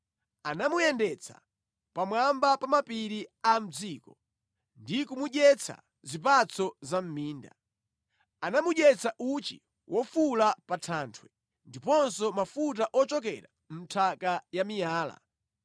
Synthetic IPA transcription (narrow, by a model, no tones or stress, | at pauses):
anamujɛndɛt͡sʰḁ̰ | pamwambapamapiɾiam̩d͡ziːkɔ | ndikumuʄɛt͡sʰa̰ | zip̬at͡sʰɔzam̩miːnda | anamuʄɛt͡sʰaʔut͡ʃḭ | wʔɔfulapatʰaːntʰwɛ | ndipɔnsɔmafut̬aʔɔt͡ʃɔkɛ̰ɾa | m̩tʰakajamijaːla̰